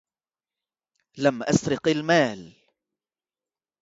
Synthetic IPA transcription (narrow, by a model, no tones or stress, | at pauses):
lamʔasɾɪqalmaːl